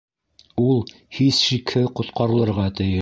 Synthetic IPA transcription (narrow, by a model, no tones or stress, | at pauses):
ulˠ | hisʃikhɘqŏt̪qɑɾɤ̆lˠɤ̆ɾʁɑt̪ɘ̆jɘ